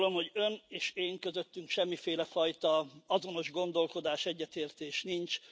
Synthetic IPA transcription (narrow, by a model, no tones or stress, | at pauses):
lo̞mho̞ɟø̞neːʃeːŋkø̞zø̞t̪ːyŋkʃɛmːifeːlɛfɒjt̪ɒɒzo̞no̞ʒɡo̞nd̪o̞lko̞d̪aːʃɛɟːɛt̪eːrt̪eːʃnint͡ʃ